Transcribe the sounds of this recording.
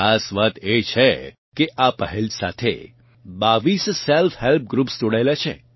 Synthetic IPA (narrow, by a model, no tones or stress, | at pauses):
asʋat̪et͡ʃʰe | keʔapəɦɛlsa̰t̪ʰḛ | baʋissɛlfɦɛlp̚ɡɾupsd͡ʒoɽaelat͡ʃʰḛ̃